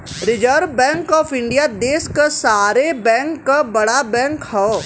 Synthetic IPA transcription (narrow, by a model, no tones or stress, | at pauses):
ɾɪd͡ʒəɾbɛ̃ːŋkɔːfɪ̃ɳɖijad̪eːskasaːɾebɛ̃ːŋkːabɐɽabɛ̃ːŋkɦɛː